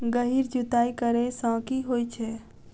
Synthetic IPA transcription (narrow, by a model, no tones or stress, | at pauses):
ɡəɦiɾd͡ʒut̪aːikəɾesə̃ːkiɦojt͡ʃʰɛ